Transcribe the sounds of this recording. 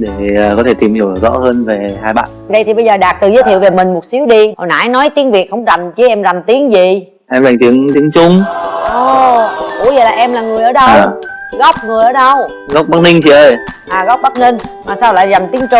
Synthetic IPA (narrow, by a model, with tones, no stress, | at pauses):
ɗe˧˩˨kɔ˨˦t̪ʰe˧˩t̪i˨˩mhi˨˩˨zɔ̰˧˥həː˧nve˨˩haː˧jɓa̰ː˧˨ʔva̰˧˨jt̪ʰi˨˩ɓə˧jzəː˨˩ɗaː˨˩k̚t̪ɨ˨˩zə˨˦t̪ʰi˧˨əwve˨˩mï˨˩ŋ̟mo˨˩t̚si˨˦wɗi˧ʔɔ˨˩na̰ː˧˥˦jnɔ˨˦jt̪i˨˦əŋvi˨˩ət̚hə˧˩wŋ͡mza˨˩mt͡ɕi˧˦ʔɛ˧mza˨˩mt̪i˨˦əŋzi˨˩ | ʔɛ˧mza˨˩ŋ̟t̪i˨˦əŋt̪i˨˦əŋt͡ɕʊ˧ŋ͡mʔɔː˨˩kṵ˨˧˩jzəː˨˩laː˨˩ʔɛ˧mlaː˨˩ŋɨ˨˩əjʔəː˧˩˦ɗə˧wːɣɔ˦˥p̚ŋɨ˨˩əjʔəː˨˩˦ɗə˧w | ɣɔ˦˥k͡p̚ɓa˦˥k̚nï˧ŋ̟t͡ɕi˧˦ʔəː˧jʔaː˨˩ɣɔ˦˥k͡p̚ɓa˦˥k̚ni˧ŋ̟maː˨˩saː˧wla̰ː˧˨˩jza˨˩mt̪i˨˦əŋt͡ɕʊ˧˩